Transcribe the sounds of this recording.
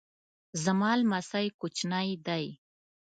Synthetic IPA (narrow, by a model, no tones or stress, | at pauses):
zamɑːlmasajkʊt͡ʃnajd̪aj